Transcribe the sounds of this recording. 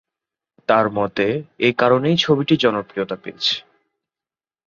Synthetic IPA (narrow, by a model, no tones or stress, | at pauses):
t̪aɾmɔt̪eekaɾonejt͡ɕʰobiʈid͡ʑɔnokɾijot̪apḛet͡ɕʰe̥